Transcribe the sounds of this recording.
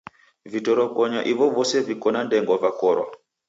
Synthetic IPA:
vitɔɾɔkɔɲaʔiʋɔvɔsɛvikɔnandɛŋɡɔvakɔɾwa̰

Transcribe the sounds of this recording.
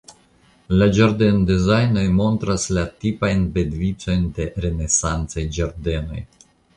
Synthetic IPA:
lad͡ʒaɾdendezajno̞jmo̞ntɾaslatipajnbedvit͡so̞jnde̞ɾe̞ne̞sant͡sajd͡ʒaɾde̞no̞̰j

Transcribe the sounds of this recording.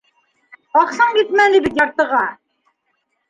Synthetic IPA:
ɑqsɑɴɡit̪mælɘbit̪jɑɾt̪ɤ̆ʁɑ

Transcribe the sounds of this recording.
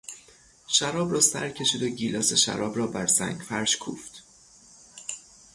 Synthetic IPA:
ʃæɾɒːbɾɒːsæ̰ɾcʰe̞ʃiːd̪o̞ɟiːlɒːse̞ʃæ̰ɾɒːbɾɒːbæɾsæ̰ŋɡfæɾʃkʰṵːft̪

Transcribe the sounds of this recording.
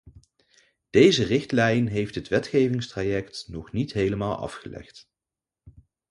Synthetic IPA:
d̥ejzərɪxtlɛjnɦejftɦətʋɛtχejvɪŋstrajɛktnɔχnitɦejləmaːlˠʔɑ̰fχəlɛ̰χt

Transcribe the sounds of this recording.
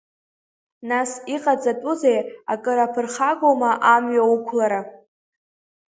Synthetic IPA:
nasiqʼad͡zatʼʊzejakʼɨɾapʰɨrχaɡʷomaʔamɥaukʷʰlaɾa

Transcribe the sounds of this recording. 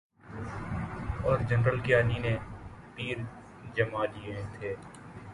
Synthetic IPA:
ɔːɾd͡ʒɐnɾəlkeaːninepiːɾ | d͡ʒɐmaliet̪ʰeː

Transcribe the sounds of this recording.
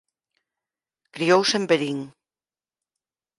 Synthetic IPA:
kɾiowsembeɾiŋ

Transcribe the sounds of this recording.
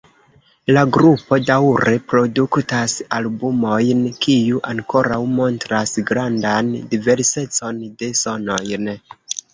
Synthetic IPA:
laɡɾupo̞dawɾe̞pɾo̞duktasalbumo̞jnkijuʔaŋko̞ɾawmo̞ntɾasɡɾandandive̞ɾse̞t͡so̞nde̞so̞no̞jn

